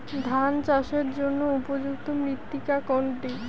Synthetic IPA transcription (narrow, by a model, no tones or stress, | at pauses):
d̪ʱant͡ɕaʃeɾd͡ʑonːoupod͡ʑuk̚t̪omɾit̪ːikakoɳʈi